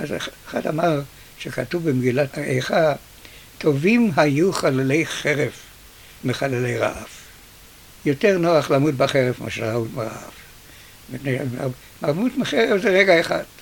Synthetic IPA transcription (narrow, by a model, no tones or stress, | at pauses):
ʔazχa̰damaʁ | ʃekatuvbemɡilataḛjχa | tʰo̞vimɦajuχalelejχeʁev | meχalelejʁa̰ʔaf | joteʁnoaχlamut̚baχeʁevma̰ʃlaautmeʁa̰af | mipneja̰a̰b | maʁmutmeχeʁevzeʁeɡaeχad̥